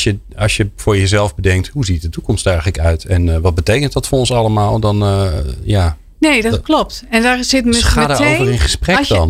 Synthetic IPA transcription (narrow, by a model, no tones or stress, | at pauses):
sjə | ɔsjəfʊːɹjəzɛlˠfbədɛŋk̚thuzit̚dətukɔmstɛrɣələkœɥtʰɛnʋɔt̚bətejkənt̚dɔtfʊonsɑlˠəmaːlˠdɔnja | nejdklop̚tɛndaɹsɪtmaːdəoːvərɪnχəsprɛdɔn